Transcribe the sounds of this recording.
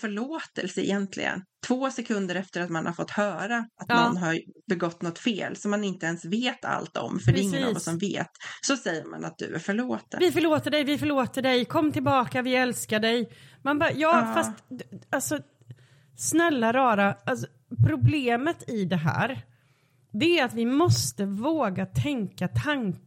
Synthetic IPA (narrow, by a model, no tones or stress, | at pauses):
fœɭoːt̪ɛlsəɪ̰jɛnt̪ʰlɪ̰ɡə̰nt̪ʰvoːsɛkʰɵnd̪əɾɛft̪əɾat̪manhaɾfɔt̪ːhœːɾaʔat̪ɔnɦaɾbɛɡɔt̪ːnɔt̪ːfḛːlsɔmːanɪnt̪əɛnsveːt̪ʰa̰lt̪ɔ̰mfœɖɛɪŋːənvasɔmvḛːt̪sɔsɛjːəɾma̰na̰t̪̚d̪ɵ̰æ̰ɾfœɭoːt̪əvɪfœɭoːt̪əɖɛjvɪfœɭoːt̪əɖɛjkʰɔmːt̪ʰɪlbɑːkavɪɛlskaɖɛjmanbɑːjɑːfast̪d̪alsɔ | snɛlːaɾɑːɾaalsɔ̥ | pʰɾʊbleːmət̪ɪd̪ɛɦæ̰ːɾ | d̪ɛæɾat̪vɪmɔst̪əvoːɡat̪ʰɛŋkat̪ʰaŋk